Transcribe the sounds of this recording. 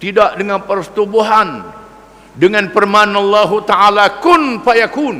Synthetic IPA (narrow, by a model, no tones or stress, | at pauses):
t̪idaʔdəŋanpərsə̥t̪ubuɦan | dəŋanpərmanɑlːaɦut̪aʔalakʊnpajakun